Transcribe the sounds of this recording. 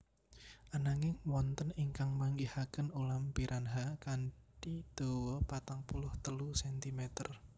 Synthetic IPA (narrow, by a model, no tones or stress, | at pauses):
ʔanaŋɪŋwɔnt̪əniŋkaŋmaŋɡihakənulampiɾʔanɦakan | ʈid̪̥o̤wɔpat̪aŋpulʊht̪əlusɛnt̪imɛt̪ər